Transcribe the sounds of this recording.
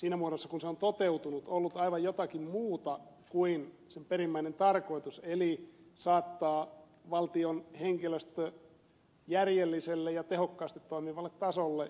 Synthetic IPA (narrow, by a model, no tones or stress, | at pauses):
siːnæmuoɾosːɑkunseont̪ot̪eut̪unut̪olːut̪ɑiʋɑjjot̪ɑkimmuːt̪ɑkuin | semperimːæinent̪ɑrkoit̪uselisɑːt̪ːɑːʋɑlt̪ionheŋkiløst̪ | jærjelːiselːejɑt̪ehokːɑːst̪it̪toimiʋɑlːet̪ːɑsolːe